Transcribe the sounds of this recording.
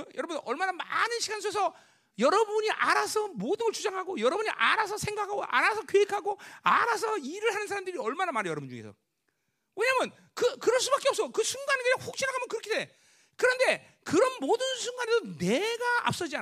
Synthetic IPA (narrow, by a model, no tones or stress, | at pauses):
jʌɾʌbunʌɭmanama̰nɯnɕʰiɡansʰosʰʌ | jʌɾʌbuɲiʔaɾasʰʌmodɯŋʌɭt͡ɕud͡ʑaŋɦaɡojʌɾʌbuɲiʔaɾasʰʌsʰe̞ŋɡakʰaɡoʔa̰ɾasʰʌkeekʰaɡoaɾasʰʌiɾɯɭhanɯnsʰaɾamdɯɾiʌɭmanamaɾɯɭjʌɾʌbund͡ʑuŋe̞sʰʌ | we̞ɲaːmjʌn | kɯkɯɾʌɭs̬͈ubak͈eʌp̚s͈ʌokɯsʰuŋɡanɯnɡeaŋɸok̚ɕ͈ʰinaɡʰamjʌnkɯɾʌkʰide | kɯɾʌnde̞ | kɯɾʌnmodɯnsʰuŋɡane̞doneɡaa̰p̚s͈ʌd͡ʑia